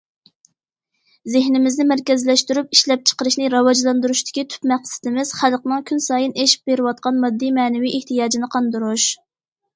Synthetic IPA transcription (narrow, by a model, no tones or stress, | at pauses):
zɪhnɪmɪznɪmæɾkʲɛzlɛʃt̪yɾypiʃlɛp̚t͡ʃʰə̥qəɾɨʃnɪɾɑwɑd͡ʒlˠɑnd̪uɾuʃt̪ɪ̥kʲit̪ʰy̥pmɛqsɪ̥t̪ɪmɪz̥χælqnɨŋkʲʰynsɑːjɨnʔeʃi̥p̚beɾɪwɑt̪̚qɑnmɑd̪ːimɛːnɪviʔeht̪ɨjɑːd͡ʒinɨqʰɑnd̪ɨɾuʃ